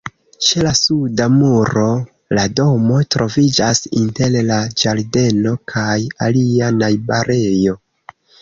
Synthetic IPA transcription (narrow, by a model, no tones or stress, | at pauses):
t͡ʃelasudamuɾo̞ | lado̞mo̞tɾʔo̞vid͡ʒasinte̞llad͡ʒaɾde̞no̞kʰajalianajbaɾe̞jo̞